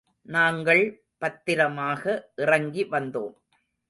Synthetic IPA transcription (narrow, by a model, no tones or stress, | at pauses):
naːŋɡɐɭ | pɐt̪ːɪɾɐmaːɣɐʔɪrɐŋɡiʋɐnd̪o̰ːm